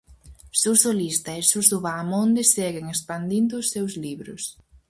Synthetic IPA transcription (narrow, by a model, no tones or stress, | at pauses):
suwsolist̪ɐesuzoβaːmond̪esːɛɣeŋespand̪ind̪ʊːsːewzliβɾʊ̰s